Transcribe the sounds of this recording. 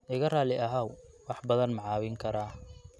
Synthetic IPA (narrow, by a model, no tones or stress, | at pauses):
ʔɪɣɐraːlɪʔɐɦawwɑħbɐðɐnmɑʕɑːwɪŋkʰɐɾaː